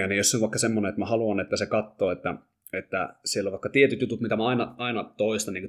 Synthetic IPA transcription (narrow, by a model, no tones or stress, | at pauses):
ɑnijoseoʋʋɑikːɑsemːoneet̪mæhɑluɑnet̪ːæsekɑt̪ːoːet̪ːæ̰ | et̪ːæ̰sielːoʋɑˑikːɑt̪iet̪yt̪jut̪ut̪mit̪æmæɑinɑɑinɑt̪oist̪ɑnːiːŋku